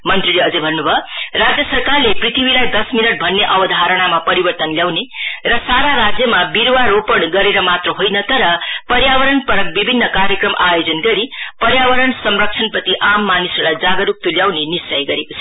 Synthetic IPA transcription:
mʌnt̪rileʌd͡zʌjbʱʌnːubʱʌrad͡zjʌsʌrkarleprit̪ʰibilajd̪ʌsminʌʈ̚bʱʌnːeʔʌbʌd̪ʱaɦaɾʌɽ̃amapʌɾibʌrt̪ʌnljawnerʌsaɾaɾad͡zjʌmabiɾwaɾopʌɳɡʌɾeɾʌmat̪rʌɦojnʌt̪ʌɾʌpʌɾjawʌɾʌɳpʌɾʌk̚bibʱinːʌkaɾjəkrʌmʔajod͡zʌnɡʌɾipʌɾjawʌɾʌɳsʌmrʌk̚t͡ʃʰʌnpʌt̪iʔamːanisʌɾlajd͡zaɡʌɾuk̚t̪oljawnenisʌjɡʌɾekosʰ

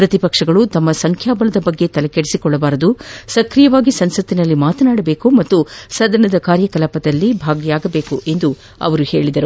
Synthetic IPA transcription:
pɾɐt̪ipɐkʂɐɡɐɭut̪ɐmːɐsɐŋkʰjaːbɐlɐd̪ɐbɐɡːe̞t̪ɐlɐkeɽisikɔɭːɐbaːɾɐd̪usɐkɾijɐʋaːɡisɐnsɐt̪ːinɐlːimaːt̪ɐnaːɽɐbe̞ːkumɐt̪ːusɐd̪ʱɐnɐd̪ɐkaːɾjɐkɐlɐpɐd̪ɐlːibʱaːɡijaːɡɐbe̞ːkuʔe̞nd̪u | ɐ̰ʋɐɾuhe̞ːɭid̪ɐɾu

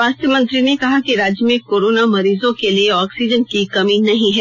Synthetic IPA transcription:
ʋaːst̪jəmɐ̃nt̪ɾinekɐɦakiɾaːd͡ʒjəmẽkoːɾoːnamɐɾiːzõkelieɔːksid͡ʒənkikɐminɐɦĩɦɛː

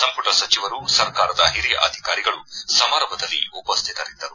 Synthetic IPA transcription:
sɐmpuʈɐsɐt͡ʃiʋɐɾusɐɾkaːɾɐd̪ɐɦiɾijɐʔɐ̰d̪ʱikaːɾiɡɐɭusɐmaːɾɐmbʱɐd̪ɐlːḭupɐst̪ʰit̪ɐɾid̪ːɐɾu

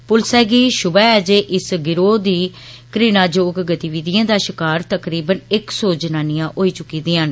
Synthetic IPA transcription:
pʊlsɛːɡiːʃʊbɛːɛːd͡ʒeːʔɪsɡɪɾoːd̪iː | kɾiːnaːd͡ʒoːkɡət̪iːʋiːd̪ijãːd̪aːʃɪkaːɾt̪əkɾiːbənɪksoːd͡ʒənaːnɪjãːʔoːiːt͡ʃʊkːiːd̪iːɦən

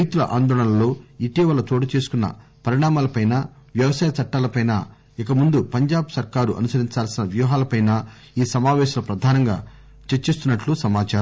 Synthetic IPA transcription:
ɐjt̪ulɐ̰ʔa̰ːnd̪ɔːɭɐnɐlo̞ːiʈiːʋɐlɐt̪oːʈɐt͡ʃe̞ːsu̥kunːɐ̰pɐɾiɳaːmaːlɐpɐjnaʋjɐʋɐsaːjɐt͡ʃɐʈːaːlɐpɐjna̰ | ikɐmund̪upɐɲd͡ʒaːbsɐɾkaːɾuʔɐ̰nusɐɾiɲt͡ʃaːlsinɐʋjuːɦaːlɐpɐjna | iːsɐmaːʋɛːʃɐlɐpɾɐd̪ʱaːnɐŋɡa̰ː | t͡ʃet͡ʃːist̪unːɐʈlusɐmaːt͡ʃaːɾɐ

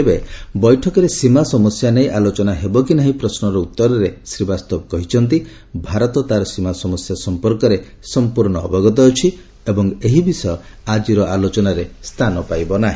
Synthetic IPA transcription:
ebebɔjʈʰɔkɔɾesimasɔmɔsjanejʔalot͡ʃɔnaɦebɔk̬inaɦĩpɾɔsnɔɾɔut̪ːɔɾɔɾesɾibast̪ɔbɔkɔɦit͡ʃʰɔnt̪̬i | bʱaɾɔt̪ɔt̪aɾɔsimasɔmɔsjasɔmpɔɾkɔɾe | sɔmpuɾɳɔ̰ːbɔɡɔt̪̬ɔːt͡ʃʰi | ebɔŋeɦibisɔjɔad͡ʒiɾɔʔalot͡ʃɔnaɾest̪ʰanɔpajbɔnaɦĩ

